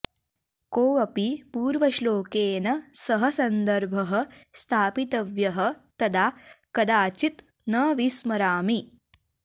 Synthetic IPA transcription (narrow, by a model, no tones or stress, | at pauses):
koːɐpipuːɾʋɐʃloːkeːnɐsɐɦɐsɐnd̪ɐɾbʱɐɦɐ̆st̪ʰaːpit̪ɐʋjɐɦɐ̆t̪ɐd̪aːkɐd̪aːt͡ʃit̪ | nɐːʋismɐɾaːmi